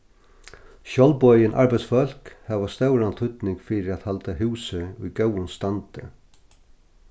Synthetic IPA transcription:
ʃɔlbɔjɪnʔa̰ɹbaɪt̪sfœl̥khɛːʋast̪œwɾant̪ʰʏt̪nɪŋkfɪɾɪɾæt̪halt̪aɦʉːsɪujɡœwʊnst̪ant̪ɪ

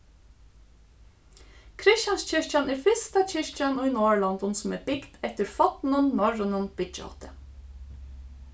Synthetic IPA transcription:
kʰɾɪʃjɑnsc͡çʏɹçɑnʔeːfɪst̪ɑc͡çʏʃçɑnoːiːnoːɭɔnd̪ɔnsm̩eːbɪɡt̪ɛt̪əɾfɑt̪n̩ənmɑɹɔnənb̥ɪd͡ʒɔ̰ːt̪ə

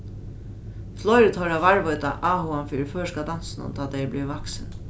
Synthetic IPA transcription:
flɔjɾɪt̪ʰɔɾavaɹvɔjt̪aʔaːɦuanfiːɾɪføːʂskad̪ansɪnʊ̰nt̪ʰaːt̪ʰɛjbliːvaksɪn

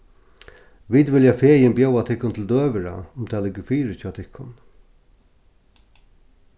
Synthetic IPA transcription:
ʋid̪ʋɪljafeːjɪnbjowat̪ʰɪhkːʊnt̪ʰɪld̪øːʋɪɾa̰ʊmt̪ʰɛːlɪkːəfiːɾət͡ʃʰːat̪ʰɪhkːʊn

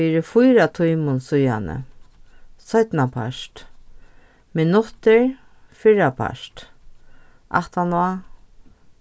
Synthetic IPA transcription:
iːɾɪfʊjɾat̪ʰujmʊnsʊja̰nə̰ | sœt̪napʰa̰ʃt̪ | mɪnʊt̪ɪɹ | fɪɹapʰa̰ʂt̪ | ʔa̰ht̪anɔa

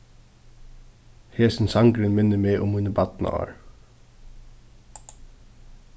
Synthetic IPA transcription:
heːsn̩sɑŋɡɾənmɪnəmeːʔʊmhʉːnəbɑt̪n̰ɑ̰ːɹ

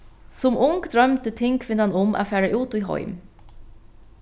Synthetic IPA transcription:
sɔmʊŋkd̪ɾœmt̪ət̪ʰɪŋkʰʋɪnɑnʊmʔa̰ːfæːɹəʔʉːt̪iːɦɔ̰ʏm

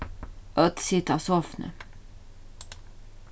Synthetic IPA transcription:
œt̪sɪt̪ɑsɔfnə̰

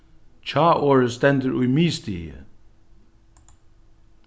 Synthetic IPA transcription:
t͡ʃʰɑːʔoːɹəst̪ɛnd̪əɹʔujmiːst̪ḭːə̰

